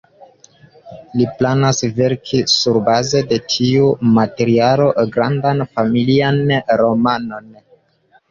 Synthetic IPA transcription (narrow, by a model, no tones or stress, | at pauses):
liplanasve̞ɾkʰisuɾbaze̞de̞tʰiumate̞ɾialo̞ɡɾandanfamilianɾo̞mano̞n